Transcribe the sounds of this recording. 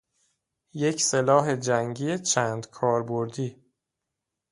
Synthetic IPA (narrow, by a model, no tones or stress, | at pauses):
je̞cʰse̞lɒːɦed͡ʒæŋɟiːet͡ʃʰæːnd̪̥kʰɒːɾboɾd̪iː